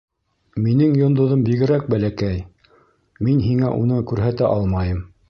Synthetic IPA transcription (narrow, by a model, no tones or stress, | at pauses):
minɘŋjŏnd̪ŏðombiɡɘ̆ɾæk̚bælækæj | minɦiŋæʔunɤkʉɾɦæt̪æʔɑlˠmɑjɤm